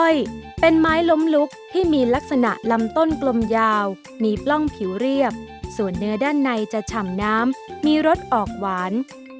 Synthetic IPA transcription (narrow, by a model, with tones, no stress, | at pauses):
o˧˩jpe˧nmaː˦˥jlo˦˥mlu˦˥k̚t̪ʰiː˥˩miː˧la˦˥k̚sa˧na̰˨˩ʔla˦˧˥mt̪o˥˩nklo˧mjaː˧w | miː˧plɔ˥˩ŋpʰi˩˦wɾi˥˩əp̚ | su˨˩ənːɯ˦˥ɐdaː˥˩nːa˧jt͡ɕa˨˩t͡ɕʰa˨˩mnaː˦˥mːiː˧ɾo˦˥t̪̚ʔɔː˨˩k̚waː˩˦n